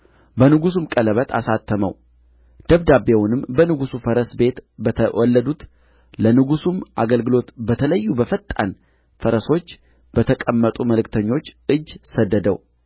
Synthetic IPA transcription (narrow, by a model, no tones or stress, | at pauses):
bənɨɡusumkʼələβət̪ʰa̰sat̪ʰːəmə̰w | d̪̥əβd̪abewʊnɨmbənɨɡusufəɾəsbe̞t̪bət̪ʰəwʔɔlːəd̪ut̪ | lənɨɡusumʔaɡəlɡɨlo̞t̪bət̪ʰələjːubəfət̪ʼːa̰n | fəɾəso̞t͡ʃː | b̥ət̪ʰəkʼəmːət̪ʼuməlɨkt̪ʰəɲːo̞t͡ʃːɨd͡ʒːsəd̪ːəd̪ə̰w